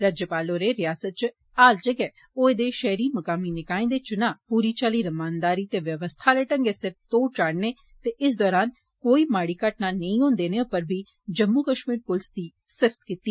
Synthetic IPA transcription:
ɾaːd͡ʒjəpaːloɾeɾɪjaːsət̪̚t͡ʃ | aːld͡ʒəɡɛː | oːeːd̪eʃɛɦɾiːmɐkaːminɪkaːĩːd̪eːt͡ʃʊnãːpuːɾiːt͡ʃaːliɾɐmaːnd̪aːɾiːt̪eːʋjəʋəst̪ʰaːɾeːʈə̃ŋɡesɪɾt̪oːt͡ʃaːɽneː | t̪eɪs̬d̪ɔːɾaːn | koːiːmaːɽiːkaʈnanɐĩɦʊ̃ːnd̪eːneʊpəɾbʱi | d͡ʒɐmːukəʃmiːɾpʊlɪsd̪iː | sɪfʰt̪kiːt̪ːiː

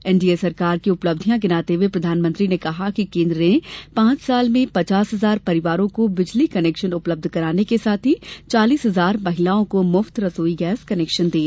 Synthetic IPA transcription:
ɛ̃ːnɖieːsɐɾkaːɾkiʊpləb̚d̪ʱjãɡɪnaːt̪eʋepɾɐd̪ʱaːnmə̃nt̪ɾinekɐɦakikẽːnd̪ɾẽpãːt͡ʃsaːlmẽpɐt͡ʃaːsɦɐzaːɾpɐɾɪʋaːɾõkobɪd͡ʒlikɐnɛːkʃənʊpləb̚d̪ʱkɐɾaːnekesaːt̪ʰit͡ʃaːliːsɦɐzaːɾmɐɦɪlaːõkomʊft̪ɾɐsoːiɡɛːskɐnɛːkʃənd̪ẽː

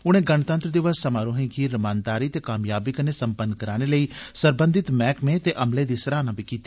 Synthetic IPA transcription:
ʊñẽːɡənt̪ə̃nt̪ɾəd̪ɪʋəsːəmaːɾõːɦẽːkiːɾəmaːnd̪aːɾiːt̪eːkaːmjaːbɪkəneːsəmpənkəɾaːɽ̃eːləiːsəɾbə̃nd̪ɪt̪mɛːkmẽːt̪eːʔəmleːd̪iːsəɾaːnãːbiːkiːt̪i

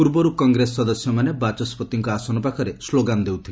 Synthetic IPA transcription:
puɾbɔɾukɔŋɡɾesːɔd̪ɔsjɔmanebat͡ʃɔspɔt̪iŋkɔasɔnɔpakʰɔɾesloɡand̪ewt̪ʰile

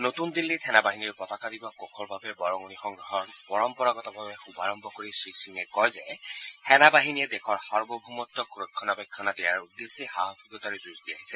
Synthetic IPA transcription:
not̪und̪ilːit̪ʰɛnabaɦiniɹpɹɔt̪ɔkad̪ibɔkɔkʰɔɹbʱabɛbɔɹɔŋɔnixɔŋɡɹɔɦɔpɔɹɔmpɔɹaɡɔtɔbʱabɛxubʱaɹɔmbʱɔkoɹisɹisiŋɛkɔjzɛtʰɛnabaɦinijɛd̪ekʰɔɹhɔɹbɔbʱumɔtːɔkuɹokʰːɔnabɛkʰːɔnat̪ɛjaɹud̪ːesiɦaɦɔt̪ʰubɔt̪aɹizuzdiaɦisɛ

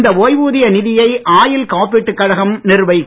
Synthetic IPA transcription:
nd̪ɐʋoːjʋuːðɪjɐnɪðɪjɐɪʔaːjɪlkaːpɪʈːɯkːɐɽɐɣɐmnɪrʋɐɪkː

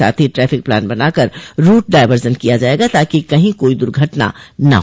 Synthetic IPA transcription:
a̰ːt̪ʰiʈɾɛːfʰɪk̚plɛ̰ːnbɐnaːkəɾɾuːʈ̚ɖaːɪʋəɾd͡ʒənkijad͡ʒaːeːɡat̪aːkikɐɦĩkoːid̪ʊɾɡʱɐʈna̰nɐ̰ɦ

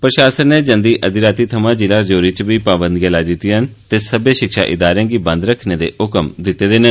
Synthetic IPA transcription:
pɾəʃaːsənneːd͡ʒənd̪iːʔəd̪ɪɾaːt̪iːt̪ʰəmãːd͡ʒɪlaːd͡ʒoːɾiːt͡ʃbiːpaːbənd̪ɡəlaːd̪ɪt̪iənt̪eːsəbeːʃɪkʃa̰ːʔɪd̪aːɾãːɡiːbə̃nd̪ɾəkʰneːd̪ḛːʊkəmd̪ɪt̪ːeːd̪eːnə

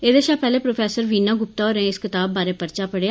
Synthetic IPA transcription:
eːd̪eːʃaːpɛːleːpɾoːpʰɛːsəɾʋiːnaːɡʊp̚t̪aːoːɾẽɪskɪt̪aːbːaːɾeːpəɾt͡ʃaːpəɽe

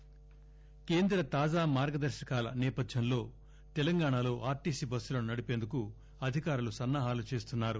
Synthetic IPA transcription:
ke̞ːnd̪ɾɐt̪aːd͡ʒaːmaːɾɡɐd̪ɐɾʃɐkaːlɐ̰nɛːpɐd̪ʱjɐnlo̞ː | t̪ɛlɐŋɡaːɳalo̞ːʔaːɾʈiːsiːbɐsːulɐnunɐɽipe̞ːnd̪uku | ɐd̪ʱikaːɾulusɐnːaːɦaːlut͡ʃe̞ːst̪unːaːɾu

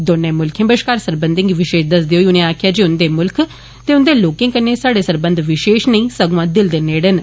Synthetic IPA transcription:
d̪oːnẽːmʊlkʰjẽːbəʃkaːɾsəɾbənd̪ɪ̃ŋɡʋɪʃeːʃd̪əs̬d̪eːɦoːiːʊnẽːaːkʰjaːd͡ʒeːʊnd̪eːmʊlkʰ | t̪eːʊnd̪eːloːkɪ̃ŋkəneːsaːɽeːsəɾbə̃nd̪ʋɪʃeːʃnəĩːsəɡʋãːd̪ɪld̪eneːɽən

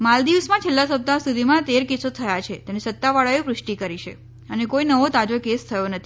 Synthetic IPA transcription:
mald̪iʋsmãt͡ʃʰelːasəp̚t̪asud̪ʱimãt̪eɾkisot̪ʰəjat͡ʃʰet̪enesət̪ːaʋaɭajopɾʊʃʈikəɾiʃḛ | ənekoinəʋot̪ad͡ʒokest̪ʰəjonət̪ʰi

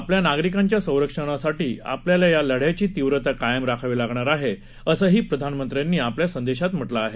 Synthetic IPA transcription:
apljanaɡɾikãɲt͡ɕjasə̃w̃ɾəkʂəɽ̃asaʈiːa̰pljalajaləɽ̤jat͡ɕiːt̪iʋɾət̪akajəmɾakʰaʋilaɡɳaɾaɦe | əsəːɦiːpɾəd̪ʱanmənt̪ɾjanːiːapljasənd̪eɕat̪m̤əʈlaːɦe

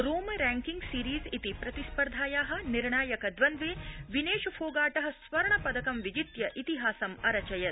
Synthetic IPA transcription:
ɾoːmɐɾæːŋkiŋɡsiːɾiːzit̪ipɾɐt̪ispɐɾd̪ʱaːjaːɦɐ̆niɾɳaːjɐkɐd̪ʋɐnd̪ʋeːʋineːʃfʰoːɡaːʈɐɦɐ̆sʋɐɾɐɳɐpɐd̪ɐkɐmʋid͡ʒit̪jɐʔit̪iɦaːsɐmɐɾɐt͡ʃɐjɐt̪

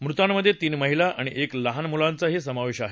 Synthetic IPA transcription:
mɾut̪amːəd̪ʱːjet̪iːnməɦilaʔaɽ̃iʔekləɦanmulant͡saɦisəmaʋeɕaɦe

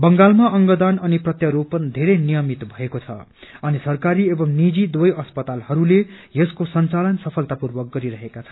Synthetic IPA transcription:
bʌŋɡalmaʔʌŋɡʌd̪anʌniprʌt̪jʌɾopːʌnd̪ʱeɾejnijʌmit̪bʱʌekot͡sʰʌ̰ | ʌnisʌrkaɾiebʌmnid͡zid̪wojʌspʌt̪alhʌɾulejeskosʌnt͡salʌnsʌpʰʌlt̪apurwʌk̚ɡʌɾiɾʌɦekat͡sʰʌ

